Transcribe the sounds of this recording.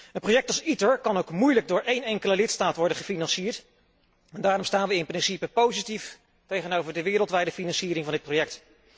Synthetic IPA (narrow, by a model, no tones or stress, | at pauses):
ənprojɛk̚tɑlˠsitəɹkɑnowkmujləɡ̚dʊːɹʔejnɛŋkələlɪtstaːtʋɔɹdənχəfinɑnsiːəɹt | ɛndaːɾɔmstaːnʋəɪnprɪnsipəpowzitif | tejχənowvəɹdəʋɪːɾəlˠtʋɛjdəfinɑnsiːɾɪŋvɑndɪt̚prowjɛk̚t